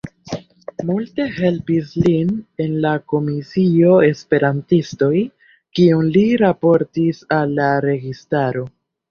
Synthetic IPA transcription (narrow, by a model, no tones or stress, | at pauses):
multe̞he̞lpisline̞nlako̞misio̞e̞spe̞ɾantisto̞j | kiunliɾapo̞ɾtisalːaɾe̞ɡistaɾo̞